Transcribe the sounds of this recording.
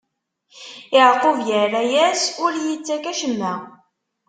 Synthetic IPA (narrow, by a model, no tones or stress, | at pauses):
ɪʕqovjəræjæsʊɾjət͡sːækæʃəmːæ